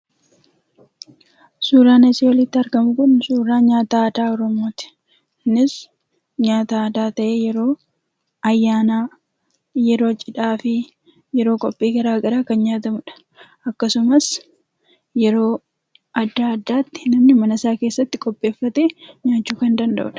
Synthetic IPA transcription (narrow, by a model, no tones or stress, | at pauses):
suːɾaːnɐsiwɐlɪt̪ːɪɐɾɡɐmʊkʊnsuːɾaːɲaːt̪aːd̪aːɔɾɔmo̞ːt̪ɪ̥ | nɪs | ɲaːt̪aːɐd̪aːt̪ɐʔeːjɛɾoː | ʔɐjːaːna | jɛɾo̞ːt͡ʃʼːɪᶑaːfɪ | jɛɾo̞ːkʼɔpʼːiːɡɐɾaːɡɐɾaːkɐnɲaːt̪ɐmʊᶑɐ̥ | ʔɐkːɐsʊmɐs | jɛɾo̞ː | ʔɐd̪ːaːɐd̪ːaːt̪ːɪ̥nɐmnɪmɐnɐsaːke̞ːsːɐt̪ːɪkʼɔpʼːe̞ːfːɐt̪eːɲaːt͡ʃːuːkɐnd̪ɐnd̪ɐ̰ʔʊ̰ᶑɐ